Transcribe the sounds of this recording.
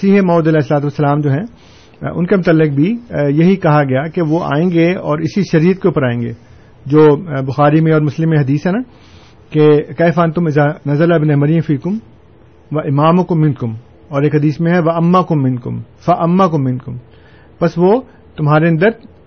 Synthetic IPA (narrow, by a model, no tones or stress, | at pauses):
siːɦemɔːd̪ɐlɛːɦɪsːɐlaːt̪uʋɐsːɐlaːmd͡ʒoːɦɛ̃ | ʊ̰nkemʊt̪əlːɪk̚bʱijɐɦikɐɦaɡɐjakeʋoʔa̰ːẽːŋɡeɔːɾɪsiʃɐɾiːət̪̚keuːpəɾaːẽːŋɡḛː | d͡ʒoːbʊxaːɾimẽɔːɾmʊslɪmːẽɦɐd̪iːsɦɛnaː | kekɛːfaːnt̪ʊmɪzanɐzɐlaɪbɪneɦmɐɾij̃fiːkʊm | ʋɐʔɪmaːmʊkʊmːɪ̃nkʊm | ɔːɾeːkɦɐd̪iːsmẽɦɛʋɐɐmːakʊmːɪ̃nkʊ̰m | fɐʔɐmːakʊmːɪ̃nkʊm | pɐsʋoː | t̪ʊmɦaːɾeɐ̃nd̪əɾ